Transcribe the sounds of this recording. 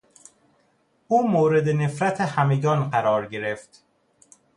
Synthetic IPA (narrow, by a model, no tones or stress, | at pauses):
ʔuːmoːɾe̞d̪ene̞fɾæt̪ʰehæme̞ɡɒːnɢæɾɒːɾɟe̞ɾe̞ft̪